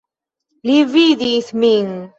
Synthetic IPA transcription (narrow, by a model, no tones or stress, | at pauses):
liviðiθmin